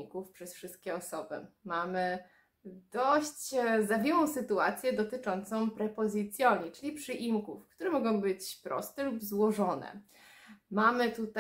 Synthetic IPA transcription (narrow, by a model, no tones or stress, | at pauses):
ikufpʂɛsfʂɘst̪̚kʲɛɔsɔbɘ̰mamɘ | d̪̥ɔɕt͡ɕzavʲjɛwɔ̃w̃sɘt̪ua̰t̪sʲjɛd̪ɔt̪ɘt͡ʂɔnt̪sɔ̃w̃pɾɛpɔzʲɨt̪sʲjɔɲit͡ʂɘlʲipʂɘʔimkufkt̪uɾɛmɔɡɔ̃w̃bɘt͡ɕpɾɔ̰st̪ɛlubzwɔʐɔnɛ̰ | mamɘt̪ut̪a